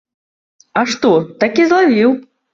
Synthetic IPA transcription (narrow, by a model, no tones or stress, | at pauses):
ɐʂt̪ɔt̪akʲizlˠavʲiw